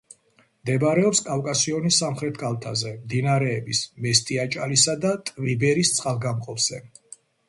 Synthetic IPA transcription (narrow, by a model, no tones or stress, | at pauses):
md̪ɛbɾɛɔpskʼafkʼasiɔnisːamχɾɛt̪ʰkʰʼalˠt̪ʰazɛmd̪inaɾɛːbismɛst̪ʼiat͡ʃʼalisad̪at̪ʼvibɛɾist̪sʼalˠɡamqʼɔpz̥ɛ